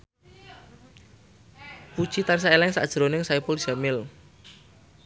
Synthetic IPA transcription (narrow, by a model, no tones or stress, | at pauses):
pud̥ʒ̥it̪ans̬aelɛŋsa̰ʔd̥ʒ̥ɾonɪŋsaipolʒ̥amɪl